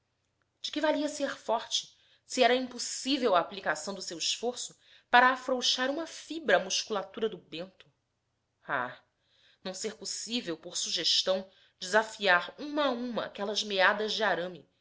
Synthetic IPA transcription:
d͡ʒɪkɪvaliɐseχfɔɾt͡ʃɪ̥ | siɛɾɐĩmpusivewaːplikasɐ̃w̃d̪ʊsewiʃfoɾsʊ | paɾaːfɾowʃaɾũmɐfibɾɐːmuʃkulat̪uɾɐd̪ʊbẽnt̪ʊ̥ | a̰ | nɐ̃w̃seɾposivewpoɾsuʒeʃt̪ɐ̃w̃ | d͡ʒɪzafiaɾũmɐaũmɐa̰kɛlɐzmead̪ɐzd͡ʒɪaɾɐ̃mi

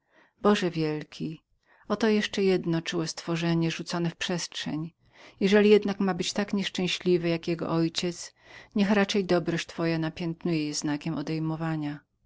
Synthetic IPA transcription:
bɔʐɛvʲjɛlkʲʰi | ɔt̪ɔjɛʂt͡ʂɛjɛd̪nɔt͡ʂuwɛst̪fɔʐɛɲɛʐut̪sɔnɛfpʂɛstʂɛɲ | jɛʐɛlʲijɛd̪nakmabɘt͡ɕt̪akɲɛʂt͡ʂɛ̃w̃ɕlʲivɘjakjɛɡɔ̰ʔɔjt͡ɕɛt̪s | ɲɛxɾat͡ʂɛjd̪ɔbɾɔɕt͡ɕt̪fɔjanapʲjɛnt̪nujɛjɛznakʲɛmɔd̪ɛjmɔvaɲa

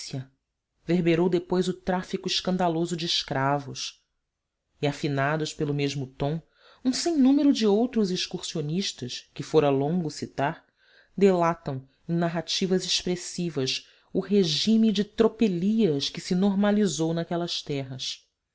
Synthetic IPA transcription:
ɐ | veɾbeɾowd̪epojzʊt̪ɾafikʊɪʃkɐ̃nd̪alozʊd͡ʒɪːʃkɾavʊs | iafinad̪ʊʃpelʊmeʒmʊt̪õw̃ | ũsẽj̃nũmeɾʊd͡ʒɪowt̪ɾʊziʃkuχsioniʃt̪ɐʃkɪfoɾɐlõŋɡʊsit̪aɾ | d̪elat̪ɐ̃w̃ | ẽnaɦat͡ʃivɐzeʃpɾesivɐʃ | ʊɦeʒĩmid͡ʒɪt̪ɾopeliɐskɪsɪnoɾmalizownakɛlɐʃt̪ɛɦɐs

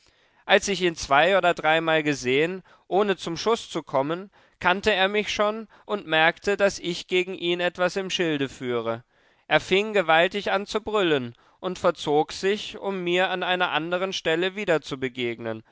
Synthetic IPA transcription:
ʔalsɪçiːnt͡sv̥aɪoːdɐdʁaɪmaːlɡəzeːən | ʔoːnət͡sʊmʃʊst͡sukʰɔmən | kʰantəeːɐmɪçʃoːn | ʔʊntmɛɐktʰədasɪçɡ̥eːɡŋ̩ʔiːnɛtv̥asɪmʃɪldəfyːʁ̞ə | ʔeːɐfɪŋɡəvaltɪçʔant͡subʁʏlən | ʔʊntfɛɐt͡soːkz̥ɪçʊmːiːɐanʔaɪnɐʔa̰ndəʁ̞ənʃtɛləviːdɐt͡subəɡeːɡnən

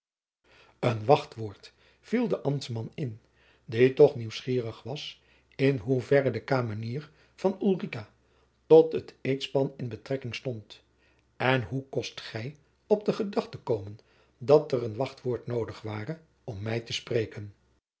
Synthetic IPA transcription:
ənʋɑχtʋoːɹt | v̥ilˠdəʔɑmtsmɑnɪn | ditɔχniwsχiːrəχʋɑs | ɪnɦuvɛrədəkaːməniːr | v̥ɑnylrika | tɔtətejtspɑnɪnbətrɛkɪŋstɔnt | ɛnɦukɔstχɛj | ɔb̚dəχədɑχtəkowmən | dɑtərənʋɑχtʋoːɹtnowdəχʋaːrə | ɔmːɛjtəsprejkən

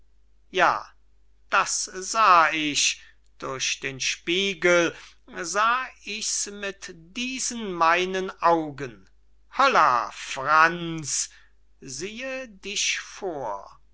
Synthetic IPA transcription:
ja̰ː | d̥asz̥aːɪʃ | d̥ʊɐɕd̥eːnʃpiːɡəl | zaːɪçsmɪtd̥iːzənmaɪnənʔaʊɡən | hɔla̰fʁant͡s | ziːədɪʃfoːɐ

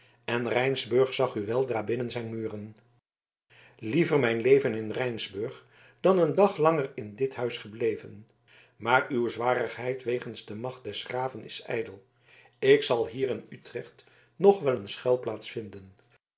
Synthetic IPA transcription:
ʔɛnrɛjnzbɵɹχsɑχyʋɛlˠdraːbɪnənzɛjnmyːrən | livəɹmɛjnlejvənɪnrɛjnzbɵɹχ | d̥ɑnəndɑχlɑŋərɪndɪtɦœɥsχəblejvə̰n | maːɹywzʋaːrəχɦɛjtʋejχənzdəmɑχt̚d̥ɛsχraːvənɪ̰sɛ̰jdəlˠ | ɪksɑlˠɦiːɾɪnytrɛχt | nɔχʋɛlənsχɛlˠplaːtsfɪndən

